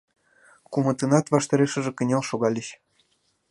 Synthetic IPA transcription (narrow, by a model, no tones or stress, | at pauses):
kumɤ̆t̪ɤnɑt̪βɑʃt̪ɑɾeʃə̆ʒĕkə̆nʲelʃoɣɑlʲiɕ